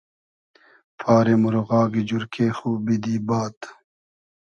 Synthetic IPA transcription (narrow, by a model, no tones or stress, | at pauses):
pʰaːɾemuɾoɣaːɡid͡ʑuɾkeːxuːbid̪iːbaːt̪